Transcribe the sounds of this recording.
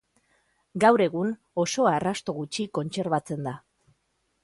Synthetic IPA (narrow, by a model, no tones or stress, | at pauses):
ɡawɾe̞ɣ̞un | o̞so̞arast̪o̞ɣut͡ʃiko̞nt͡se̞ɾβat͡se̞nd̪a